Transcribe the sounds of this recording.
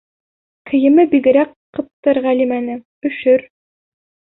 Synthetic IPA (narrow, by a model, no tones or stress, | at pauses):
kʰɘ̆jɘ̆mɘbiɡɘ̆ɾækː | ɤ̆p̚t̪ɤɾʁælimænɘ | ɵ̆ʃɵɾ